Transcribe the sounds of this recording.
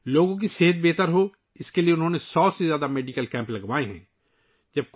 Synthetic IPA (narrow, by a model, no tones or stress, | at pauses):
loːɡõk̬iseːɦət̪̚beːt̪əɾɦo | ɪskelieʊnɦõːnesɔːsezjaːd̪ameːɖiːkəlkɛ̃ːmplɐɡʋaːeɦɛ̰̃ː | d͡ʒɐb̚k